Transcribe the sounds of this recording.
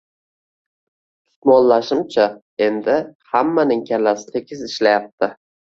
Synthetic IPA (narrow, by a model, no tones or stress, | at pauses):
ɪ̥t̪mɒnlaʃɪmt͡ʃʰa | e̞nd̪ɪhamːanɪŋkʲʰalasɪ̥t̪ʰe̞kʲʰɪzɪʃlajap̚t̪ʰɪ